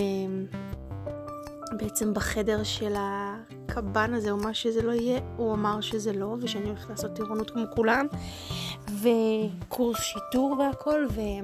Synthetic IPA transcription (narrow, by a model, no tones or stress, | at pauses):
e | beet͡se̞mbaχe̞de̞ʁʃe̞la | kʰabanazeumaʃezelo̞ijeuamaʁʃezelo̞veʃeanioeχtlaːso̞t̪ːiʁonutkmo̞kulam | vekʰuʁsʃiduʁveakʰo̞lve